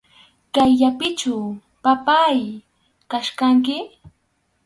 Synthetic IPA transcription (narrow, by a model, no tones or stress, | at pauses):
kajːapɪt͡ʃaw | papaj | kaʃkaŋk̬ɪ